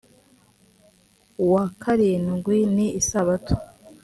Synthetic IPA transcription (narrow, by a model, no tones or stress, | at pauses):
wakʰaɾinɡwiniːsaβatʰu̥